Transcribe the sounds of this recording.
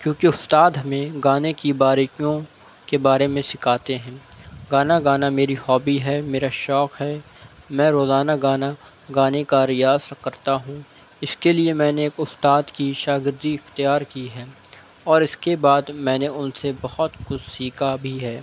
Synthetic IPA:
kjõːkiʊst̪aːd̪ɦɐmẽɡaːnekibaːɾkijõ | kebaːɾemẽsɪkʰaːt̪eɦɛ̃ːɡaːnaɡaːnameːɾihɔːbiɦɛːmeːɾaʃɔːkɦɛː | mɛ̃ːɾoːzaːnaɡaːna | ɡaːnekaɾijaːskɐɾt̪aɦũː | ɪskeliemɛ̃ːneːkʊst̪aːd̪kiʃaːɡɪɾd̪iɪxt̪ijaːɾkiɦɛː | ɔːɾɪskebaːd̪mɛ̃ːneʊnsebɐhʊt̪xʊt͡ʃsiːkabʱiɦɛː

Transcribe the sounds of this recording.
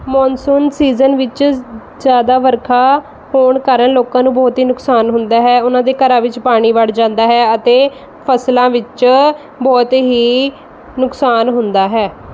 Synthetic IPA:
mɔːnsuːnsiːzənʋɪt͡ʃ | zjaːd̪aːʋəɾkʰaː | hoːɳkəɾənloːkãːnũːbɔːt̪ɦiːnʊksaːnɦʊnd̪aːɦɛːʊnãːd̪eːkəɾãːʋɪt͡ʃpaːɽ̃iːʋəɽd͡ʒãːnd̪aːɦɛːət̪eː | pʰəslãːʋɪt͡ʃ | bɔːt̪ɦiː | nʊksaːnɦʊnd̪aːɦɛː

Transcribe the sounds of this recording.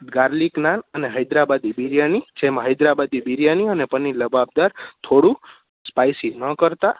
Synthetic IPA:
ɡaɾliknanəneɦəjd̪ɾabad̪ibiɾjanid͡ʒemãɦəjd̪ɾabad̪ibiɾjaniənepəniləbab̚d̪aɾt̪ʰoɽu | spajsinəkəɾt̪a

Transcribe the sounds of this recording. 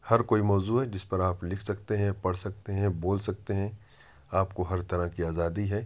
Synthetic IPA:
hɐɾkoːimɔːzuɦɛd͡ʒɪspɐɾaːplɪkʰsɐk̚t̪eɦɛ̃pɐɽsɐk̚t̪eɦɛ̃boːlsɐk̚t̪eɦɛ̃ | aːpkoɦɐɾt̪ɐɾãkiaːzaːd̪iɦɛː

